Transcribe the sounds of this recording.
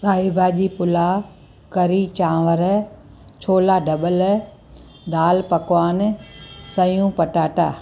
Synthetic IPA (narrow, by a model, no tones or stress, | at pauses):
saːibaːʄipʊla | kɐɾiːt͡ɕãːʋəɾɛ | t͡ɕʰoːlaɖʱɐɓəl | d̪aːlpɐkwaːnsɐjũpɐʈaːʈaː